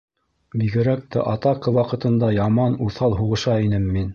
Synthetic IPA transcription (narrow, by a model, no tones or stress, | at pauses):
biɡɘ̆ɾæk̚t̪æ̰ʔɑt̪ɑqɤwɑqɤ̆t̪ɤ̆nd̪ɑjɑmɑnuθɑlˠɦuʁɤ̆ʃɑinɘmːin